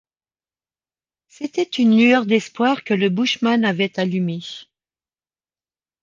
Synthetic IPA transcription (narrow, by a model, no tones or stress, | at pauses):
set̪ɛt̪ynlyœʁd̪ɛspwaʁkələbuʃmanavɛt̪alyme